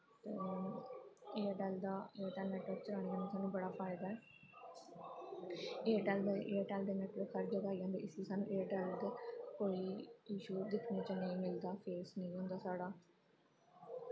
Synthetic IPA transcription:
t̪e | eːʈɛːld̪aːeːəʈɛːlnɛːʈəɾt͡ʃəɾaːñeːd͡ʒəːneːsaːnũːbəɽaːpʰaːɪd̪aːɛː | eːʈɛːld̪eʔeːʈɛːld̪eːnɛːʈləkʰːəɾd͡ʒəɡaːid͡ʒãːnd̪ḛːʔɪsiːsaːnṵ̃ːʔeːʈɛːld̪eːkoːiːiːʃuːd̪ɪkʰneːt͡ʃənəĩːmɪld̪aːpʰeːsnəĩːɦʊ̃nd̪aːsaːɽaː

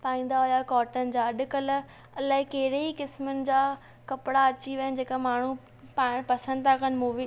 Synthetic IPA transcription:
paːĩːn̆d̪aɦʊjakɔːʈənɪ̆d͡ʑaːɐɗʊ̆kəl | ɐlaːɦɪ̃kɐɦɪɾeikɪsmənɪ̆d͡ʑaː | kɐpɪɽaɐt͡ɕiʋɐənɪd͡ʑeːkamaːɳ̤u | paːɪɽ̃pɐsə̃nd̪t̪ʰakənɪ̆muːʋi

